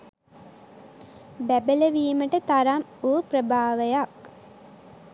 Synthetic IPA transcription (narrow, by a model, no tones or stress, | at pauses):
bæbələʋiːməʈət̪aɾamuːprəbʱaːʋəjak